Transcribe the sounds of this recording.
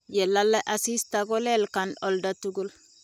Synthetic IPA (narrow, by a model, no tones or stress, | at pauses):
jelːalːaʔasist̪aɡolelkanɔldatuɡul